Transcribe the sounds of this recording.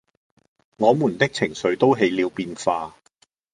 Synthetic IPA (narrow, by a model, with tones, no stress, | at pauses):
ŋɔː˨˧muː˨˩nt̪ɪ˥k̚t͡sʰɪ˨˩ŋsɵ˨˧ɥt̪o˥wɦe˨˧jliː˨˧wpiː˧nfaː˧